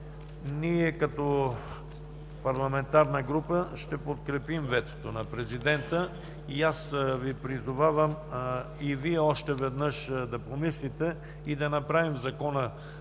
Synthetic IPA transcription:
niɛkɐt̪ɔ | pɐɾlˠɐmɛnt̪aɾnəɡɾupəʃt̪ɛpot̪̚kɾɛpimvɛt̪o̥t̪onɐpɾɛzid̪ɛnt̪ə | iasvipɾizʊvavəm | iviɛɔʃt̪ɛvɛd̪nəʃd̪ɐpomislit̪ɛ | id̪ɐnɐpɾavimzɐkɔnə

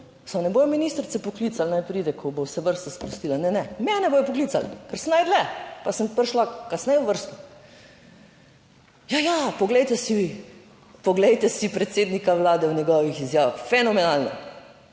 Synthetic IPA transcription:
samnɛbojɔminist̪ɾt̪sɛpɔklit̪salnajpɾiːd̪ɛkʰɔbowsɛʋəɾst̪aspɾɔst̪iːlanɛnɛmɛnɛboːjɔpɔkliːt̪sa̰lkɛɾsənajd̪lɛpasəmpəɾʃlakasnɛjuʋəɾst̪u̥ | jajapɔɡlɛjt̪ɛsi | pɔɡlɛjt̪ɛsipɾɛt̪seːd̪nikaʋlaːd̪ɛwnɛɡɔʋixizjaːʋaxfɛnɔmɛnaːlna̰

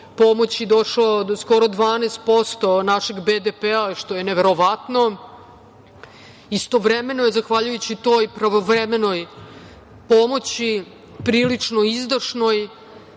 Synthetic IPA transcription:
po̞mot͡ɕid̪o̞ʂlosko̞ɾo̞d̪ʋaːnest̪̚po̞st̪o̞naʃe̞ɡbed̪epeaʃt̪o̞jeneʋeɾo̞ʋat̪no̞ | ist̪oʋɾeme̞nojezaxʋaʎujut͡ɕit̪o̞jpɾaʋoʋɾemeno̞j | pomo̞t͡ɕi | pɾiːlit͡ʂno̞izd̪aʂno̞j

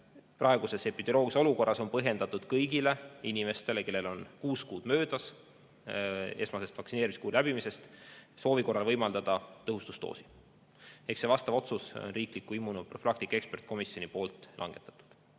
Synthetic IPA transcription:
prʔɑe̞ɡ̥use̞sepːit̪eɾo̞ːɡiso̞luko̞rːɑso̞npɤɦje̞nd̪̥ɑt̪ːˑud̪̥kɤjɡile̞inʲime̞st̪e̞le̞ke̞lːe̞lo̞nkuːskuːd̪mø̞ːd̪̥ɑs | e̞smɑse̞st̪vɑksineːɾimiskuːlæb̥imise̞st̪so̞ːviko̞rːɑlvɤjmɑld̪ɑd̪̥ɑt̪ɤɦust̪u̥st̪o̰ːsi̥ | e̞kse̞vɑst̪ɑvo̞t̪suso̰nriːklikːˑuimːunuproflɑkt̪ikːe̞kspe̞rt̪̚ːˑko̞misjo̞nipo̞ːlt̪ˑlɑ̰ŋɡ̥e̞t̪ːˑɑ̥t̪ːˑu̥d̪̥

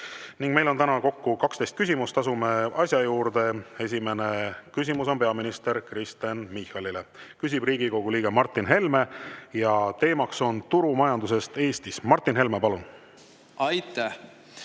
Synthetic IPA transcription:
niŋɡ̥̚me̞jlo̞nt̪ænɑko̞kːukɑkst̪e̞jst̪kys̬ʲimust̪ɑsume̞ɑsʲjɑjuːɾd̪e̞e̞s̬ʲime̞nekys̬ʲimuso̞npe̞ɑminist̪e̞ɾkrist̪enmihɑlile̞kys̬ʲib̥riːɡ̥iko̞ɡ̥uliːɡ̥emɑrt̪ːˑinɦe̞lme̞jɑt̪e̞ːmɑkso̞nt̪uɾumɑjɑnd̪us̬e̞st̪e̞ːst̪ismɑrt̪ˑːinɦe̞lmepɑlun | ɑjt̪ˑæh

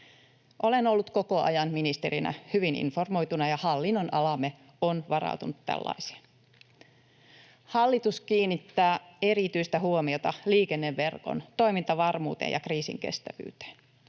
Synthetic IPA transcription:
ʔo̞le̞no̞lːut̪ko̞ko̞ʔɑ̰jɑnminist̪eɾinʔæ̰hyʋinḭnfo̞rmo̞jt̪unɑjɑhɑlːinːonʔɑlɑme | onʋɑɾɑ̰ut̪unut̪tæ̰lːɑ̰isi̥e̥n | hɑlːit̪uskiːnːit̪ːæːe̞ɾit̪yjst̪æhuomio̞t̪ɑliːkenːeʋːe̞rko̰nt̪o̞jmint̪ɑʋɑrmuːt̪ḛjɑ̰kriːsḭŋke̞̰st̪æʋy̰ːt̪e̥ːn

